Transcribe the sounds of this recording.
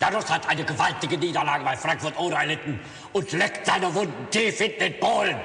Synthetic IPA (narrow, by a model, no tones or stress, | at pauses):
d̥adʊshatʔaɪnəɡəvaltɪɡəniːdɐlaːɡəbaɪfʁ̥aŋkfʊɐtoːɾɐɛɐlɪtn̩ | ʊntlɛktz̥aɪnəvʊndn̩deːfɪntn̩ɪt̚b̥oːlən